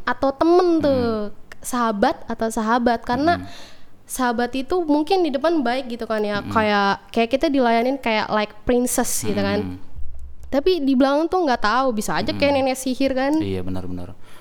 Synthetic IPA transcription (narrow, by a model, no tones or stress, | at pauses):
at̪aut̪əmənt̪ə | saɦabat̪̚at̪awsaɦabat̪̚kaɾəna | saɦabat̪it̪umuŋkɪndidəpanbaɪk̚ɡit̪ukanjakajaʔkajaʔkit̪adilajanɪnkaja̰ʔlaɪk̚pɾɪnsɛsɡit̪ukan | t̪apidibəlaŋt̪uŋɡaʔt̪aubisaːd͡ʒakajaninasihɪrkanija̰bənə̰rənə̰r